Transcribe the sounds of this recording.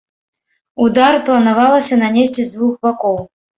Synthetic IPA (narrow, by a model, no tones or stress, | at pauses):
ud̪arplˠɐnavalˠɐsʲɐnɐnʲesʲt͡sʲɛzd̪vuxbakɔw